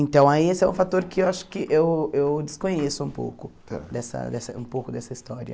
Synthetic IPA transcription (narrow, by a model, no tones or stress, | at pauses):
ẽnt̪ɐ̃w̃aiesɪɛũfat̪oɾkɪewaʃʊ̥kɪʔewewd̪ɪskõɲesʊũpo̰wkʊ | ɛ̰d̪ɛsɐ̰d̪ɛsɐ̰ṵ̃mpowkʊd̪ɛsɐist̪ɔɾjɐ̰